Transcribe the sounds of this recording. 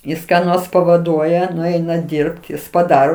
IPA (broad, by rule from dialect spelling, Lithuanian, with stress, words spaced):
ˈjɪs kɑː ˈnoːrs pɐʋɐˈduɔjɛ nʊˈɛɪnɐ ˈdʲiːrpt ˈjɪs pɐˈdɑːroː